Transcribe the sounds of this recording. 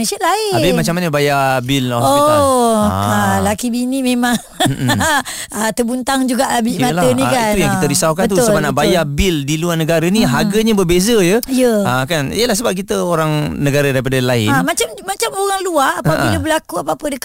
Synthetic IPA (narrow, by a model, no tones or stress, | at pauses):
esaʔlaɪabɪmat͡ʃamaɲəbajabilao | alakibinimemãŋ | ət̪əbunt̪aŋd͡ʒuɡaʔabimalaənikanujaŋkit̪əɾisawkanət̪uʊsəbanaʔbajabildiluanəɡaɾanĩɦaɡəɲabərbezəjəjəakanḭəlahs̬əbap̚k̬it̪əoɾaŋnəɡaɾadaɾip̬adəlaɪ̰anmat͡ʃammat͡ʃamoɣaŋluaːabḭlabəlakuapapədək